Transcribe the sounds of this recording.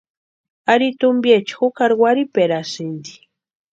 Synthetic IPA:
aɾit̪ʊmbjet͡ʃi̥xukaɾɡwaɾipeɾasind̪i̥

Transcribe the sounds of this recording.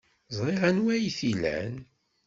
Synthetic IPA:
zˤɾˤeʁænwæjθilæ̰n

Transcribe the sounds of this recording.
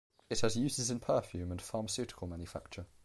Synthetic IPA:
ɪthəzjʉːzɪzɪ̃npʰɜˑfjʉːmə̃nfɑːməsjʉˑtɪ̥kʰəlˠmãnjəfa̰k̚t͡ʃə

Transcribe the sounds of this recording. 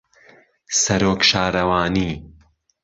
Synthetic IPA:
sɐɾoːkʃaːɾɐwaːniː

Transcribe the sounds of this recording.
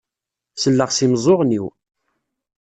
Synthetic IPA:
səlːəʁsimzˤoʁniw

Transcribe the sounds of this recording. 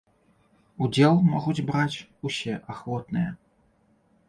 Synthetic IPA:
ud͡zʲɛlˠmɔɣud͡zʲbɾat͡sʲusʲɛʔaxvɔt̪nɨjɛ

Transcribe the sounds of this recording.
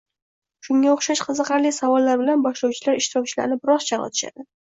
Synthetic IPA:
ʃʊŋɡʲaoχʃaʃqʰɨzɨqʰɑɾlisavɒlˠːaɾbɪlanbɒʃlɒwt͡ʃʰɪlaɾɪʃt̪ɪɾɒk̚ʲt͡ʃʰɪla̰ɾnɪbɪɾɒzt͡ʃʰaɾɒ̰t̪ʰɪ̥ʃa̰d̪ɪ

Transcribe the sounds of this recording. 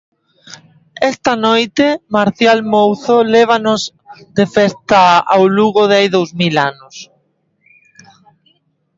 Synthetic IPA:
ɛst̪anojt̪emaɾθjalmowθolɛβ̞anoz | d̪efest̪aa̰wluɣoðajðowzmilanʊs

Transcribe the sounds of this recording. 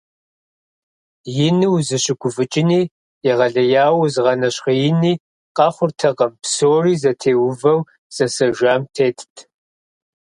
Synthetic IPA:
jɪnɨwzɨɕɪɡʷʰʼʊfɨt͡ʃʼɪniː | ɛʁɐɮɐjaːwzɨʁɐnɐɕχɐjɪniː | qɑχʷʊrtʰɐqɐmpsoːriːzɐtʰeːwʊvɐw | z̥ɐsɐʒʷaːmtʰeːtʰtʰ

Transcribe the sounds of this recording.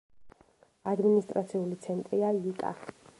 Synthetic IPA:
ad̪minist̪ʼɾat̪sʰiulit̪sʰɛnt̪ʼɾiaikʼa̰

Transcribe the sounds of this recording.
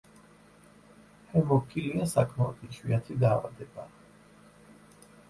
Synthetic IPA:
hɛmɔkʰiliasakʰmaɔt̪ʰiʃwiat̪ʰid̪aːva̰d̪ɛba

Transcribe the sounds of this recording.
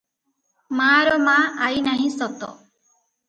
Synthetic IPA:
maɾɔmaajnaɦĩsɔt̪ɔ̰

